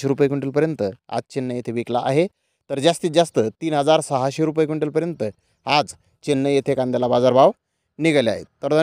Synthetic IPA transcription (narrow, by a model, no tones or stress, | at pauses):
eɾupəjekuɳʈilpəɾjənt̪əa̰d͡zt͡ɕenːəjet̪ʰeʋiklaʔa̰ɦe | t̪əɾd͡ʑast̪iːd͡zast̪ət̪iːnɦəd͡zaɾsəɦaɕeɾup̬əjek̬ʋuɳʈilpəɾjənt̪ə | ad͡z | t͡ɕenːəjet̪ʰekãnd̪jalabad͡zaɾbaʋ | niɡəla̰ɦḛt̪ːəɾd̪ə